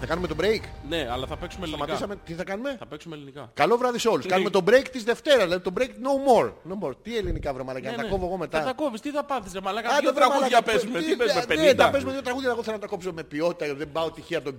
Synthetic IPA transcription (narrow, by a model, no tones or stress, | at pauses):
θɐkɐnume̞t̪obɾejkneɐlɐθɐpeksumest̪ɐmɐt̪isɐmet̪iθɐkɐnume̞θɐpeksumelinikɐkɐlo̞vɾɐðiseo̞luskɐnume̞t̪o̞bɾejkt̪izðe̞ft̪e̞ɾɐzðlɐðit̪o̞bɾejknomo̞ɾnomoɾt̪ie̞linikɐvɾomɐlɐkɐnɐt̪ɐko̞voeɣo̞me̞t̪ɐt̪ɐkovist̪iθɐpɐθisemɐlɐkɐɐt̪ɐvɾemɐlɐpezmepezmeenet̪ɐpe̞zumeðjot̪ɾɐɣuðʝɐeɣoθelnɐt̪ɐko̞psome̞pio̞t̪i̥t̪ɐɐt̪ðe̞bɐo̞t̪içiɐt̪o